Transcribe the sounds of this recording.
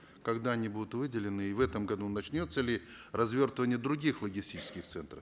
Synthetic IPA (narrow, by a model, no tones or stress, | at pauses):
kɐɡd̪aɐnʲibud̪ʊt̪vɨdʲɪlʲɪnɨːvɛt̪əmɡɐd̪unɐt͡ɕnʲo̞t̪səlʲɪ | rɐzvʲo̞rt̪əvənʲɪjəd̪ɾʊɡʲixlˠəɡʲɪsʲtʲit͡ɕɪ̥skʲɪxt̪sɛnt̪ɾəf